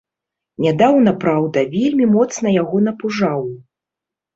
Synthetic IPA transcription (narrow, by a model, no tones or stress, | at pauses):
nʲad̪awnɐpɾawd̪ɐvʲelʲmʲimɔt̪snɐjaɣɔn̪ɐpuʐaw